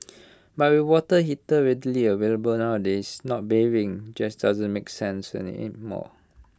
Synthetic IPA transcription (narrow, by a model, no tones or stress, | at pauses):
bat̚wiwɔtəɦitəɹɛdəliəveləbəlnawdɛsnɔt̚bevĩŋd͡ʒasdazə̃nmeksɛ̃nsɛ̰̃nḭmɔ̰